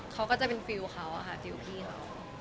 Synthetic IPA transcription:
kʰa˦˥wkɔː˥˩t͡ɕa˨˩pe˧nfi˧wkʰa˦˥wʔa̰˨˩kʰa˦˥˩fi˧wkʰiː˥˩xʰa˦˥w

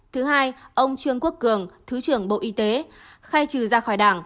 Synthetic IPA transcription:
t̪ʰɨ˨˦ɦaː˧jʔə˧wŋ͡mt͡ɕɨ˧əŋku˦˥ək̚kɨ˧˩əŋt̪ʰɨ˨˦t͡ɕɨ˧˩əŋɓo̰˧˨ʔi˧t̪e˨˦ | xaː˧jt͡ɕɨ˧˩zaː˧xɔ˧˩jɗaː˧˩ŋ

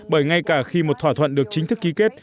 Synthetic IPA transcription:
ɓəː˧˩jŋa˧jkaː˧˩xi˧mo˨˩t̚t̪ʰwaː˧˩t̪ʰwə̰˧˨nɗɨ˨˩ək̚t͡ɕï˨˦ŋ̟t̪ʰɨ˦˥kːi˨˦ke˦˥t̚

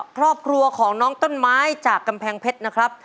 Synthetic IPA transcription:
kʰɾɔː˥˩p̚kʰɾu˧ɐkʰɔː˩˦ŋnɔː˦˥ŋt̪o˥˩nmaː˦˥jt͡ɕaː˨˩kːa˧mpʰɛː˧ŋpʰe˦˥t̪̚na˦˥kʰɾa˦˥p̚

